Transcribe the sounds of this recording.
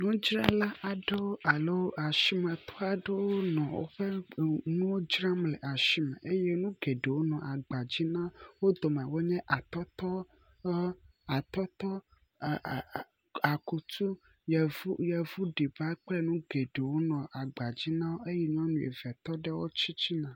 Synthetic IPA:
nũ˦d͡ʒɾa̰˦la˦ʔa˨ɖe˦wo˦ʔa˨lo˦wo˦a˨ʃi˦mɛ̃˨t̪ɔ˦a˨ɖe˦wo˦nɔ̃˨wo̰˦ɸe˦nũ˦wo˦d͡ʒɾa˦mlɛ˨ʔa˨ʃi˦mɛ̰̃˨ʔe˦je˦nũ˦ɡe˨ɖe˨wo˦nɔ̃˨ʔa˨ɡ͡ba˨d͡ʑi˦nã˦wo˦d̪o˨mɛ˨wo˦ɲɛ̃˦ʔa˨t̪ɔ˦t̪ɔ˦ | a˨t̪ɔ˦t̪ɔ˦˨ | a˨ku˨t̪u˦ | jɛ˨vu˦jɛ˨vu˦ɖi˨ba˦k͡plɛ˦nũ˦ɡe˨ɖe˨wo˦nɔ̃˨ʔa˨ɡ͡ba˨d͡ʑi˦nã˦wo˦ʔe˦jɛ˦ɲ˦ɔ̃˦nũ˨ḛ˨vɛ˨t̪ɔ˦ɖɛ˦wo̰˦t͡ɕi˦t͡ɕi˦nã˨

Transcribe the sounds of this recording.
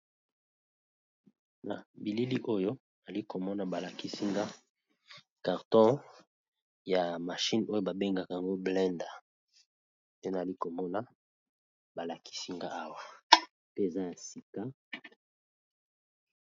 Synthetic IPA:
na̰˨bi˨li˦li˦ʔo˦jo˦ | na˨li˦ko˨mɔ˦na˨ba˨la˨ki˦si˦ŋɡa˦ | ka˨ʁtɔ̃˦ | ja˨ma˨ʃi˦no˦jo˦ba˨be˦ŋɡa˨ka˨a˨ŋɡo˦blɛ˦nda˨ | pe˦na˨a˨li˦ko˨mɔ˦na˦ | ba˨la˨kʰi̥˦si˦ŋɡa˦a˦wa˨ | pe˦e˨za˦ja˨si˨ka˦

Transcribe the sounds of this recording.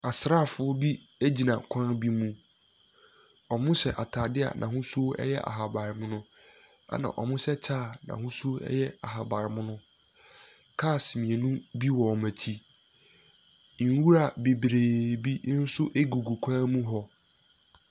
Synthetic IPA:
a˨sɾa˦˨fʊ˦ʊ˦bi˦ | e˦d͡ʑi˨nã˨kʷʰã˦nbi˦mũ˦ | ɔ˨mʊ̃˦ɕɛ˨ʔa˨tʰaː˨dɪ˦a̰˨nʔã̰˨hʊ̃˦su˦o˦ʔɛ̰˦jɛ˦ʔa̰˨ɦa˨ba˨ɾɪ˨mʊ̃˦nʊ̃˦ | a̰˦nã̰˨ʔɔ˨mʊ̃˦sɛ˦t͡ɕʰaː˦˨nã̰˨hʊ̃˦su˦o˦ɛ̰˦jɛ˦a̰˨ɦa˨ba˨ɾɪ˨mʊ̃˦nʊ̃˦ | kʰaː˦˨smĩ˨e˨nũ˦bi˦wɔ˨mæ̃˨tʰi˦˨˦ | wu˦ɾa˨be˨bɾeː˨bi˦n̩˦sʊ˦ʔe˦ɡu˨ɡu˨kʷʰãː˦mũ˦ɦɔ˦

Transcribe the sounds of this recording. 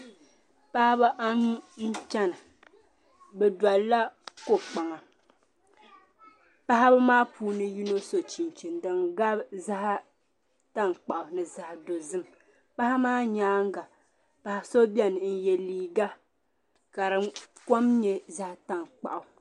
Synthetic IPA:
pa˦ha˦ba˦ʔa˦nu˦n̩˦t͡ʃa˦nɨ˨ | bɛ˨dwa˨la˦ko˦k͡pa˨ŋa˨ | pa˦ha˦ba˦maː˦puː˦nɨ˦ji˦no˦so˨t͡ʃi˨n˨t͡ʃi˨n˨dɨ˨ŋɡa˦bza˦ha˦ | ta˦ŋ˨k͡pa˨ʔʊ˨nɨ˨za˦ha˨do˨zɨ˦m | pa˦ha˦maː˦ɲaː˦ŋ˦ɡa˨ | pa˨ha˨so˦bi˦ɛ˦nɨ˨n̩˨jɛ˨liː˨ɡa˦ | ka˨ɾɨ˨ko˦mɲɛ˦za˦ha˨ta˦ŋ˨k͡pa̰˨ʔa˨

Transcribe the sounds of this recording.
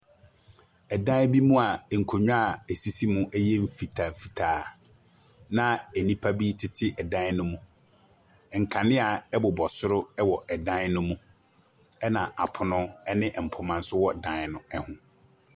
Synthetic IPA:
ɛ˨dã˦bi˦mũ˦a˨ŋ̩˨kʰo˨ɲᶣʊ̃˦a˨e˨si˦si˦mʊ̃˦ʔɛ˦jɛ˦m̩˨fi˨tʰa˨fi˨tʰaː˨ | nã˦ɛ˨nĩ˦pʰa˦bi˦tʰɪ˦tʰɪ˦ʔɛ˨dã˦nʊ̃˦mũ˨ | ŋ̩˨kʰã˨nɪ̃˦a˨ɛ˦bʊ˨bɔ˨sʊ˦ɾʊ˦ɛ˦wɔ˨ʔɛ˨dã˦n˦nʊ̃˦mũ˦ | ɛ˦nã˨ʔa˨pʰʊ˨nʊ̃˦ɛ˦nɪ̃˦ʔm̩˨pʰʊ˨mã˨n̩˦sʊ˦wɔ˦˨dã˦n˦nʊ̃˦ɛ˦hʊ̃˨

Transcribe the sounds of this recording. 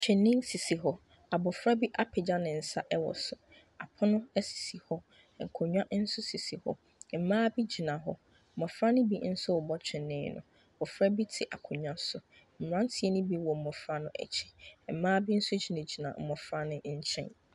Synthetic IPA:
t͡ɕʰᶣɛ̃˨nːɪ̃˦nsi˨si˨ɦɔ˦ | a˨bɔ˨fɾa˦bi˦ʔa˦pʰɪ˨d͡ʑa˦nɪ̃˨n̩˨sa˦ʔɛ˦wɔ̰˨sʊ˨ | a˨pʰɔ˦nʊ̃˦ɛ˦si̥˨si˨hɔ˦˨ | kʰʊ˨ɲᶣ˦ã˦n̩˦sʊ˦si˨si˨hɔ̰˦ | m̩˨mãː˦bi˦d͡ʑi˨nã˨ɦɔ˦ | m̩˨mɔ̃˨fɾa˦nʊ̃˦bi˦n̩˦sʊ˦wʊ˨bɔ˦t͡ɕᶣʰɛ̃˨nːɪ̃˦nʊ̃˨ | a˨bɔ˨fɾa˦bi˦tʰɪ˨ʔa̰˨kʰʊ˨ɲᶣã˦sʊ˨ | m̩˨m˨ɾã˦n̩˦tʰɪ˨ɛ˦nʊ̃˦bi˦wɔ˨m̩˨mɔ˨fɾa˦nʊ̃˨ʔɛ̰˨t͡ɕʰɛ̥˨m̩˨mãː˦bi˦n̩˦sʊ˦d͡ʑi˨nã˨d͡ʑi˨nã̰˨m̩˨mɔ˨fɾa˦nʊ̃˦ɲ̩˦t͡ɕʰɛ̰̃˦n

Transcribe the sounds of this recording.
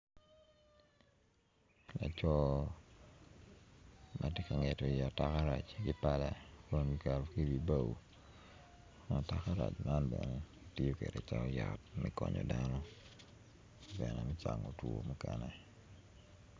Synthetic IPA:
la˨t͡ʃɔ˦ | mʔa˨te˦ka˨ŋe˨to˨ja˨tːaka˦ɾa˨t͡ʃɡɪ˦pa˦la˨ko˦nwi˨ka˨ɾki˦wi˨ba˨wu˨ | ma˨ta˨ka˦ɾa˨t͡ʃma˦nbɛne˨ | ti˦jo˦ke˨de˨t͡ʃa˦ɔ˦ja˨t̚mɛ˦kɔɲɔ̰˨danɔ˦ | ɡɛ˨nɛ˨mɛ˦t͡ʃa˨ŋo˨two̰˨mu˦kɛnɛ˨

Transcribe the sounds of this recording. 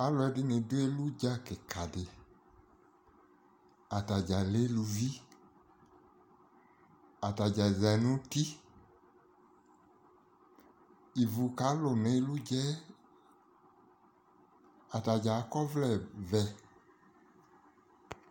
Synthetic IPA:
a˨˦lɔ˨ɛ˨˦dɪ˦nɪ̃˨do˦e˦lu˦d͡ʒa˦kɪ˨ka˨dɪ˨ | a˨ta˨d͡ʒa˨le˦lu˧vi˦ | a˨ta˨d͡ʒa˨za˨˦nũ˦ti˦ | i˨vu˨ka˨˦lʊ˨ne˨e˦lu˦d͡ʒɛ˦ | a˨ta˨d͡ʒa˨˦kɔ˦vlɛ˨vɛ˨

